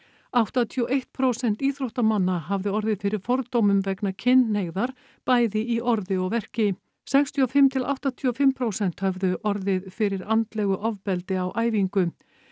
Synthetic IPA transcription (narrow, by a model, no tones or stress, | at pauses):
awht̪at̪ʰiɔʔejht̪pʰɾowsɛn̥t̪iːθɾowht̪amanːaɦavðʏɔɾðɪðfɪɾɪɾ̥fɔɾt̪owmʏmvɛknacʰɪnːheɣðaɾ̥ | paːjðɪiʔɔɾðɪɔɣvɛr̥cɪ | sɛkst̪ʰiɔfɪmt̪ʰɪlʔa̰wht̪at̪ʰiɔfɪmpʰɾoːwsɛn̥t̪hœvðʏʔɔɾðɪðfɪɾɪɾant̪lɛɣʏʔɔvpɛlt̪ɪawʔaːjviŋkʏ